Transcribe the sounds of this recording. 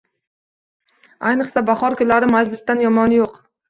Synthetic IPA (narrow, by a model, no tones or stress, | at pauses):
ajnɨqsabaχɒɾkʰʊlːaɾɪmad͡ʒlɪsd̪anjɒmɒnɪjoq